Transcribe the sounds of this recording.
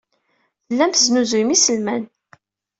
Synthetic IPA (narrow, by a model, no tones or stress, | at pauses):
θəlːæmθznuzujmisəlmæn